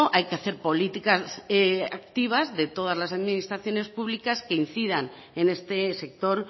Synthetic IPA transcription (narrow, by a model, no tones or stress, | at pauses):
oʔajkeaθe̞ɾpo̞lit̪ikaseak̚t̪iβ̞azðe̞t̪o̞ð̞azlasaðminist̪ɾaθjo̞ne̞spuβlikaskein̟θiðan | e̞ne̞st̪ese̞k̚t̪o̞ɾ